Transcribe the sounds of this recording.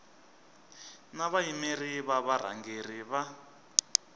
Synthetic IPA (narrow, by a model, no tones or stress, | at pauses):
naβaimeriβaβaɾ̤a̰ŋɡer̤iβa